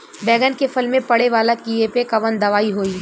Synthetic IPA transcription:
bɛːɡənkefɪlmẽpɐɽeʋaːlakiepekɐʋənd̪ɐʋaːiɦoːiː

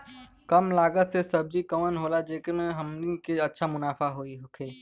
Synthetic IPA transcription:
kəmlaːɡət̪sesəb̚d͡ʒikəmənɦoːlad͡ʒeːkemẽɦəmliŋkeətːʃʰamʊnaːfaɦoːiɦkʰeː

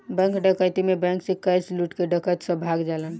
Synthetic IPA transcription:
bɛ̃ŋkɖəkəjt̪imebɛ̃ŋksẽkəjsluʈkeɖəkət̪sə̃bʱaɡd͡ʒalən

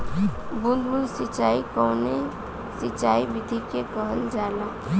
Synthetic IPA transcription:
bunmunsit͡ʃaːikɔwne | sit͡ʃaibid̪ʱikekəɦəld͡ʒala

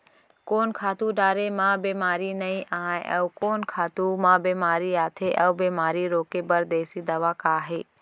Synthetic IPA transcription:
koːnkʰaːt̪uɖaːɾemãbeːmaːɾinɐĩʔaːẽʔɐʊkoːnkʰaːt̪umãbeːmaːɾiaːt̪ʰeʔɐʋbeːmaːɾiɾoːkebɐɾd̪eːsid̪ɐʋakaːɦeː

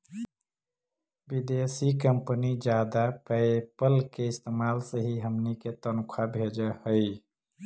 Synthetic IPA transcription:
bid̪esikəmpənid͡ʒjad̪apəepəlkeɪst̪emalsəɦiɦəmniket̪ənkʰabʱed͡ʒəhəɪ

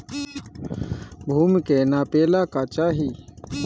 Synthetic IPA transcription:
bʱuːmkenapeːlakat͡ʃaːɦi

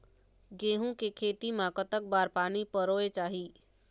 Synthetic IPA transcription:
ɡeːɦũkekʰeːt̪imãkət̪ək̚baːɾpaːnipəɾoːet͡ʃaːɦiː

